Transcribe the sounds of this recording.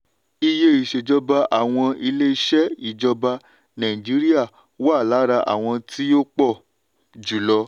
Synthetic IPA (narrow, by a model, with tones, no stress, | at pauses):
i˧je˦i˦˨ʃe˨d͡ʒɔ˧ba˧ʔa˨w̃ɔ̃˧i˧le˦i˧ʃɛ˦i˦˨d͡ʒɔ˧ba˧ | nã˨ĩ˨d͡ʒi˨˦ɾi˦a˦˨ | wa˦˨la˨˦ɾa˧ʔa̰˨w̃ɔ̃˧ti˦o˦k͡pɔ˦˨ | d͡ʒu˨lɔ˧